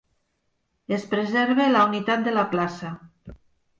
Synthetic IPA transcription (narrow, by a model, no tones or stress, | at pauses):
espɾezɛɾβelaunit̪at̪̚d̪elaplasa